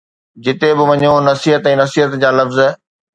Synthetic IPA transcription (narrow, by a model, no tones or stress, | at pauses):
d͡ʑɪt̪ebɪʋɐɲonɐsiːɦət̪ɛ̃ːnɐsiːɦət̪d͡ʑaːlɐfz